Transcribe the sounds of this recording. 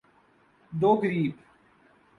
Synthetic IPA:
d̪oːɡəɾiːb

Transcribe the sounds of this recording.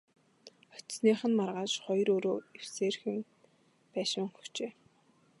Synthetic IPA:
ɔ̥t̪sniːχə̆nmarʁaːʃχɔjɾoːɾoːew̥seːrxɘ̆n | pæːʃɪ̆ŋxu̥t͡ɕeː

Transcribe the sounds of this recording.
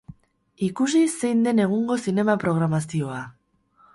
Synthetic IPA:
ikus̬ise̞jnd̪e̞ne̞ɣ̞uŋɡo̞sine̞mapɾo̞ɣ̞ɾamasio̞a

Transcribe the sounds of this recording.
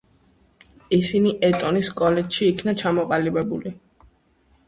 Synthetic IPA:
isiniʔɛt̪ʼɔniskʼɔlɛt̪ʃiːkʰnat͡ʃʰamɔqʼalibɛbuli

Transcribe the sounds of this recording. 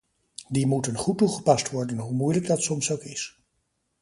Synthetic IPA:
dimutənχutːuχəpɑstʋɔɹdənɦumujləɡ̚dɑtsɔmsowkɪs

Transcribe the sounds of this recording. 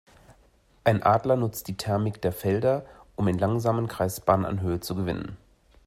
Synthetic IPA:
ʔaɪnʔaːdlɐnʊt͡st̚d̥iːtʰɛɐmɪkd̥eːɐfɛldɐʔʊmɪnlaŋzaːmənkʁ̥aɪsb̥aːnəna̰nɦøːət͡suɡəvɪ̰nə̰n

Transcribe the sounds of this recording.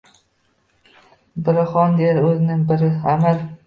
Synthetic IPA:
bɪɾɪχɒnd̪eɾɵzɪnɪŋbɪɾɪamɪɾ

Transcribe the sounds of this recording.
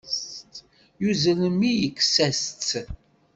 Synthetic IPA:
st̪ | juzələmijəkːsæst͡sː

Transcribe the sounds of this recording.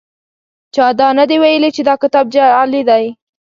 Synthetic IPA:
t͡ʃɑd̪ɑnad̪ewajəlit͡ʃed̪ɑkɪt̪ɑb̚d͡ʒaalid̪aj

